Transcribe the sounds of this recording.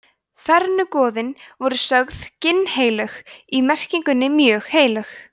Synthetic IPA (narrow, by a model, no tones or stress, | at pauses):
θɛɾnʏkɔːðɪnvɔɾʏsœɣðcɪnːheːjlœximɛr̥ciŋkʏnːɪmjœːɣheːjlœx